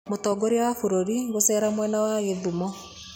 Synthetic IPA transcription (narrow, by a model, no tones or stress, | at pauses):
motɔɡoɾeawafoɾoɾiɡosɛɾamwɛnawaɣeðumɔ